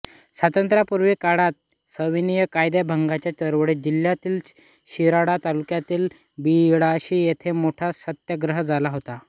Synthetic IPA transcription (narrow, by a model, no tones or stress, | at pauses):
sʋat̪ənt̪ɾapuɾʋekaɽat̪̚ | səʋinijəkajd̪jabʱəŋɡat͡ɕjat͡ɕəɾʋɽed͡ʑiljat̪iːl | ɕiɾaɽat̪alukjat̪iːl | biɽaəɕiːjet̪ʰemoʈʰasət̪jəɡɾəɦd͡zalaɦot̪a